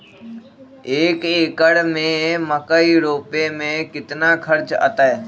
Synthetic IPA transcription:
eːkeːkəɽmẽməkaiɾoːpemẽkɪt̪naːkʰəɾt͡ʃa̰t̪aːɦeː

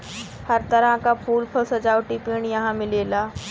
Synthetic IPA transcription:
həɾt̪əɾaɦkapʰuːlpʰəsəd͡ʑaʋʈipeɳjɐɦãmɪlelaː

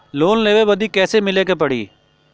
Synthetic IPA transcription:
loːnleːʋeʋɐd̪ʱikɛːsemɪlekepɐɽḭː

